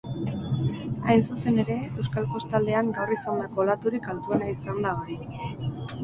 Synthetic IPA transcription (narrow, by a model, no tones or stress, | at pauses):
ajnsuse̞ne̞ɾe̞ewskalpo̞st̪ald̪e̞aŋɡawrisand̪ako̞lat̪uɾikalt̪uenaisand̪aoɾi